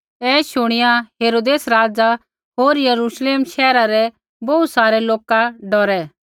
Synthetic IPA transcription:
ɛːʃʊɽ̃ɪjãɦeːɾoːd̪eːsɾaːd͡za | ɦoːɾjəɾuːʃleːmʃɛːɾaɾɛ | bɐut̪saːɾɛloːkaɖɔɾɛ

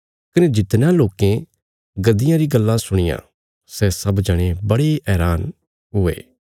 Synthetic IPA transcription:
kɐned͡ʒɪt̪nãloːkẽ | ɡɐd̪ɪjãɾiɡɐlːãsʊɽ̃ɪjã̰ː | sɛsɐbd͡ʒɐɽ̃ebɐɽeʔɛːɾaːn | ɦʊḛː

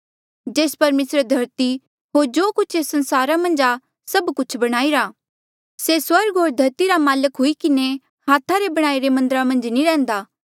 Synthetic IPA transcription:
d͡ʒeːspɐɾmeːsɾed̪ʱɐɾt̪i | ɦoːɾd͡ʒoːkʊt͡ʃʰeːsɐ̃nsaːɾamɐ̃nd͡ʒa | sɐbkʊt͡ʃʰbɐɽ̃aːiɾa | seswɐɾɡɦoːɾd̪ʱɐɾt̪iɾamaːləkɦʊikɪne | haːt̪ʰaɾebɐɽ̃aːiɾemɐ̃nd̪əɾamɐ̃nd͡ʒniɾɛ̃ːnd̪aː

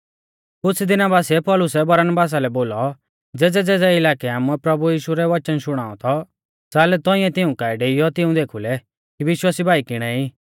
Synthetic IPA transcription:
kʊt͡sʰd̪ɪnabaːsiɛpɔːlʊsɛbɐɾənbaːs̬alɛboːlɔ | d͡zɛːd͡zɛd͡zɛːd͡zɛɪlaːkɛaːmuɛpɾɐbujiːʃuɾɛʋɐt͡ʃənʃʊɽ̃aːɔt̪ʰɔ | t͡saːlɛt̪ɔ̃ĩɛ̃t̪ɪũkaiɖeːijɔt̪ɪũd̪eːkʰulɛ | kiʋɪʃwaːsibʱaːikɪɽ̃ɛiː

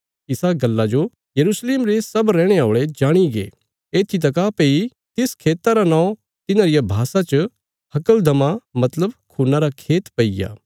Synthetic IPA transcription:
ɪsaɡɐlːad͡ʒo | jɐɾuːsleːmɾesɐbɾɛ̃ːɽ̃eoːɭed͡ʒaːɽ̃iɡḛː | eːt̪ʰit̪̬ɐk̬apei | t̪ɪskʰeːt̪aɾanãːõ | t̪ɪnãɾɪjabʱaːsat͡ʃɐ | hɐkəld̪ʱɐmamɐt̪ləbkʰuːnaɾakʰeːt̪pɐija̰ː

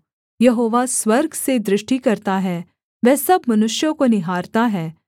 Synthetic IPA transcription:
jɐɦoːʋaswɐɾɡʱsed̪ɾɪʃʈikɐɾt̪aɦɛː | ʋɛːsɐbmɐnʊʃjõkonɪɦaːɾt̪aɦɛː

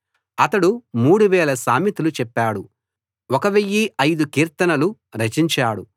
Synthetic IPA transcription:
ɐt̪ɐɽumuːɽuʋɛːlɐsaːmit̪ulut͡ʃɛpːaːɽu | ɔkɐʋejːiʔɐjd̪ukiːɾt̪ɐnɐlu | ɾɐt͡ʃiɲt͡ʃaːɽṵ

